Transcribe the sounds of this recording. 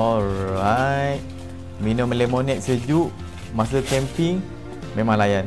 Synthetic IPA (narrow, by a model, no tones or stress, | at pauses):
ɔɾajt̪̚ | minɔməlemonɛk̪̚səd͡ʒuʔ | mas̬əkɛmpiŋ | memãŋlajan